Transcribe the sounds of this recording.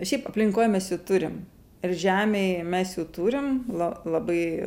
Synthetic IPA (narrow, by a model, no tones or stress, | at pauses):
ʃʲɛɪpɐpʲlʲɪŋkoːjmʲɛsjɛʊt̪ʊɾʲɪm | ɪrʒʲæːmʲeɪmʲɛsjɛʊt̪uːɾʲɪmlˠɐlˠɐbɐɪ